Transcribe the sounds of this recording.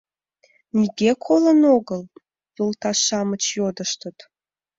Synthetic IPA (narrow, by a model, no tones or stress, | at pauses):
niɡekʰolənoɣəl | jolt̪ɑsɑmət͡ɕjod̪əʃt̪ət̪